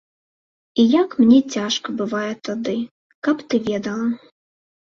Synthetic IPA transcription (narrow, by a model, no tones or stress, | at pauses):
ijakmnʲɛt͡sʲaʂkɐbɨvajɛt̪ad̪ɨ | kɐpt̪ɨvʲɛd̪ɐlˠɐ